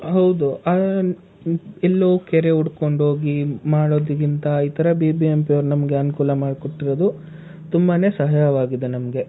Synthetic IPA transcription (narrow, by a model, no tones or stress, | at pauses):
ɦɐwd̪ua | ɛlːɐukɛɾeuɽko̞ɳɖɦo̞ːɡimaːɽoːd̪ikint̪ɐit̪ʰɐɾɐbiːbiempiɐʋɾunɐmɐɡe̞ɐnukuːlɐmaːɖkoʈːiɾod̪u | t̪umbɐne̞ːsɐɦajɐʋaːɡid̪enɐmɐɡe